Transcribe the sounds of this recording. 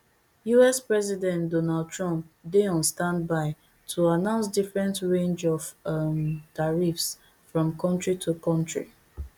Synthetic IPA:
juɛspɹɛzidɛ̃ntdɔnald̚tɹɔ̃mp̚deɔ̃nstãndbaɪ | tʰuanãʊ̃nsdifɹɛ̃ntɹẽnd͡ʒɔvmtaɹifs | fɹɔ̃mkɔ̃ntɹitʰukɔ̃ntɹḭ

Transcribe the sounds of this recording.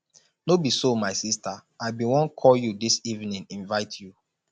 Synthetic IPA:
nobisomaɪsista | aɪbiwɔ̃nkʰɔljudisivnĩnĩnvaɪtʰju

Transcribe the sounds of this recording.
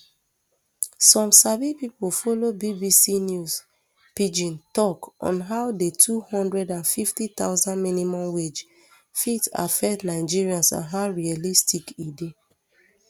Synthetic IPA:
sɔ̃msabipipolfolobibisinjus | pid͡ʒĩntɔkɔ̰̃nɦaʊdetʰuhɔ̃ndɹɛdãnfiftitaʊzãnminimɔ̃mwed͡ʒ | fita̰fɛtnaɪd͡ʒiɹiãnsã̰nɦaʊɹialistikide

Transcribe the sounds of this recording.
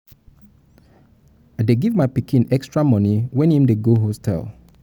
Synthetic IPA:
deɡivmaɪpikĩnɛkstɹamɔ̃niwɛ̃nhĩmdeɡoɦostʰɛ̰lˠ

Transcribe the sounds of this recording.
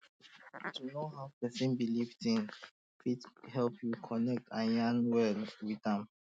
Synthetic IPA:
tʰunoɦawpɛsĩnbiliftĩn | fidhɛlpʰjukʰɔnɛk̚tʰãjãnwɛlwidɛ̃m

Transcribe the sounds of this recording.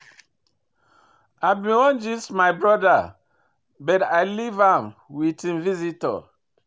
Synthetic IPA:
abĩwɔ̃nd͡ʒismajbɹɔda | bɛtajlivãmwitĩmvizitɔ̰

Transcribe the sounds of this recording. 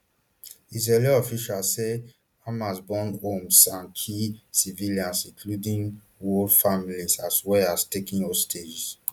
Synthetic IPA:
iz̬ɛliɔfiʃase | ãmasbɔ̃nõmsãnkʰisiviliãnsĩŋkʰludĩn | wɔfamilisaswɛastekĩnɔstʰed͡ʒs

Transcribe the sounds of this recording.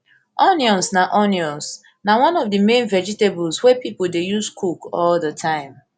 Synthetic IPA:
ɔnjɔ̃nsnaʔɔnjɔ̃ns | nawãnɔvdəmẽnvɛd͡ʒitebɔlswɛpipol̩dejuzkʰukɔldətʰãɪ̃m

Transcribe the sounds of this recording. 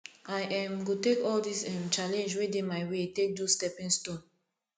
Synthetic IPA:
ajʔɛ̃mɡotekɔldisɛ̃mt͡ʃalɛ̃nd͡ʒwedemaɪwetek̚dustɛpɛ̃nstɔ̃n

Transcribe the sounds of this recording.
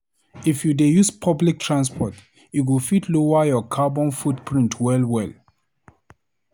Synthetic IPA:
ifjudejuspʰablik̚tʰɹãnspʰɔt | it̬wilfidlowajɔkʰabɔ̃nfudpʰɹĩntʰwɛlwɛl

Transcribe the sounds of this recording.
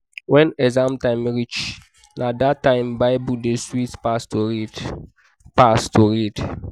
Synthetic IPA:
wɛ̃nɛzãmtãɪmɾit͡ʃ | nadatːãɪmbaɪbudeswitpastoɾid | pastoɾid

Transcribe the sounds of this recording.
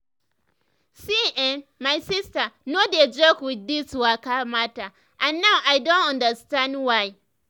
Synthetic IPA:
siɛnmajsɪstanoded͡ʒokwɪdːiswakamata | ʔãnːawʔajdõntãndəstãndwaj

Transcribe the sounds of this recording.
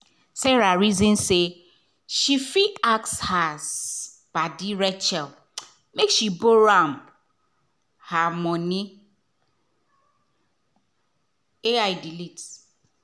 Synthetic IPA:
sɛɾaɹizĩnse | ʃifiakshaz | b̥adiɾɛt͡ʃɛl | mekʃiboɾãmb | hamɔ̃nĩ | eajdilit

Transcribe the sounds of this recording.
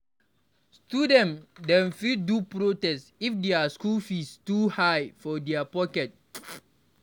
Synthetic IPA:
studɛ̃ndɛ̃nfidupɹotɛsifdɛaskufistuhajfɔdɛapɔkɛt̚

